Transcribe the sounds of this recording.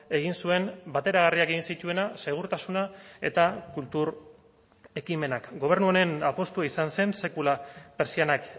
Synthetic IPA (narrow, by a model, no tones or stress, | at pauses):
e̞ɣ̞insue̞mbat̪e̞ɾaɣariakeɣinsit̪ue̞nase̞ɣ̞uɾt̪asunae̞̰t̪akult̪uɾ | e̞kime̞nakɡo̞β̞e̞ɾnuone̞napo̞st̪uaisanse̞nse̞kulape̞ɾsianak